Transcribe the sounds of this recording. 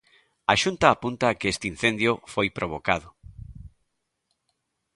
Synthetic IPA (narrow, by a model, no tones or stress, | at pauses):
aʃunt̪aːpunt̪aːkeest̪ein̟θend̪jʊfojpɾʔoβ̞okaðʊ